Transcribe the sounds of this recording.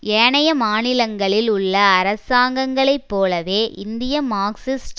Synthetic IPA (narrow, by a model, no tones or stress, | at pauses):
eːɳɐjɐmaːnɪlɐŋɡɐɭɪlʊɭːɐːɾɐsaːŋɡɐŋɡɐɭɐɪpːoːlɐʋeːʔɪnd̪ɪjɐmaːksɪsʈ